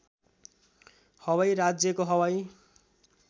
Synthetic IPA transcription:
hʌwajɾad͡zjʌkoɦʌwaj

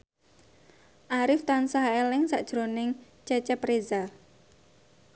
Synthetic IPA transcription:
ʔaɾɪft̪ansaɦelɪŋsaʔd̥ʒ̥ɾonɪŋ | t͡ʃɛt͡ʃɛpɾeza

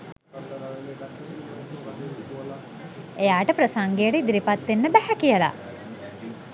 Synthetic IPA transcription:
ejaːʈəpɾəsaŋɡejəɾid̪iɾipat̪ːenːəbæhækijəla̰

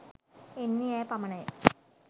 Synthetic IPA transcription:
enːijaːpɐmɐɳe

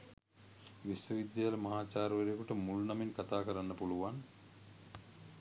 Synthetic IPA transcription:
ʋisʋəʋid̪jaalɐmɐɦaːt͡ʃaːɾʋɐɾijekuʈəmulunɐmiŋkat̪aːkəɾanːɐpuluʋan

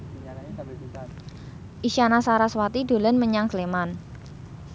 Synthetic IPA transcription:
ʔiʃanasaɾaswat̪ido̤lənməɲaŋsleman

